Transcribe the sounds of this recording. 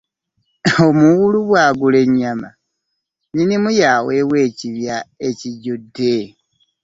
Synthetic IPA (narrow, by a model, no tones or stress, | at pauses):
omuɣuluβwaːɡule̞ɲːama̰ | ɲinimujawewe̞ːciβjae̞ciɟudːe